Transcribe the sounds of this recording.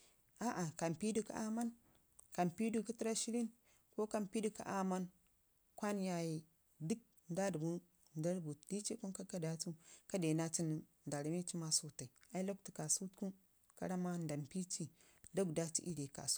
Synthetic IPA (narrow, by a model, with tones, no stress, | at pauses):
a˨˦ʔa˨ka˨mpi˦du˦ka̰˦a˦ma˦n | ka˨mpi˦du˦ku˦ti˦ɾa˦ʃi˦ɾi˦n | ko˦ka˦mpi˦du˦ka̰˨ʔa˦ma˦n | kʷa˦nja˨ji˨ | di˦k̚ | nda˦dbu˦ | nda˦ɾbu˨d̥i˦t͡ʃe˦ku˦nka˦ka˦da˦tu˦ka˦de˨na˦ti˦n˨nda˨ɾa˨mi˦t͡ʃi˦ma˦su˦ta˨i˨a˦i˦lo˦k̚ti˨ka˨su˦tku˦ | ka̰˦ɾa˦ma˦nda˨mpi˦t͡ʃi˦ | do˦ɡda˦tḭ˦ʔi˦ɾe˨ka̰˨su̥˦